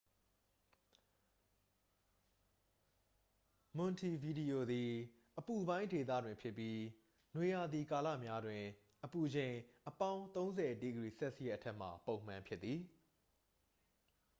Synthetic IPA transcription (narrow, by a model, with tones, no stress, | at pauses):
mʊ̃˨ntʰi˨vi˨di˨o˨d̪i˨ | ʔəpu˨bã˦ɪ̃nde˨t̪̬a̰˦˨dwɪ̃˨mpʰjɪ˦pːji˦ | nwe˨ja˨d̪i˨ka˨la̰˦˨mja˦dwɪ̃˨ | ʔəpu˨d͡ʑẽ˨ɪ̃ʔəpã˦ʊ̃nt̪õ˦ʊ̃nzɛ˨ʔtḭ˦ɡəɹi˨sɛ˦ʔsəjɛ˦ʔətʰɛ˦ʔm̥a̰˨põ˨ʊ̃m̥ã˨mpʰjɪ˦t̪t̪ːði˨